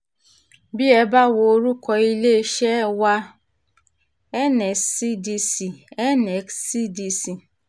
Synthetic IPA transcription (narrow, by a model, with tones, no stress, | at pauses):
bi˦ɛ˨ba˦˨wo˨˦ɾu˦kɔ˨i˦le˦ʃɛ˦wa˦ | ɛ˦nɛ˨si˦di˦si˨ɛ˦nɛ˨ksi˦di˨si˨